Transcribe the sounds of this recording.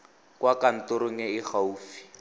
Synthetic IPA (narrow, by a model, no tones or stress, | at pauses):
kwakan̩tʊɾʊŋɛɪχauːfi̥